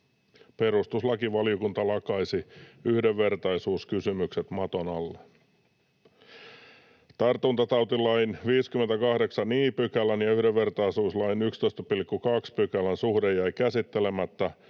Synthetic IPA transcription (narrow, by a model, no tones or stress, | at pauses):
pe̞ɾust̪uslɑkiʋɑliokunt̪ɑlɑkɑjsiyhdeʋːe̞rt̪ɑjsuːskysymykse̞t̪mɑt̪onɑlːe | t̪ɑrt̪unt̪ɑt̪ɑwt̪ilɑjnʋiːskymːent̪ækɑhde̞ksɑniːpykælænjɑyhde̞ʋːe̞rt̪ɑjsuːslɑjnykst̪ojst̪ɑpilkːukɑkspykælænsuhdejæjkæsit̪ːe̞le̞mæt̪ːæ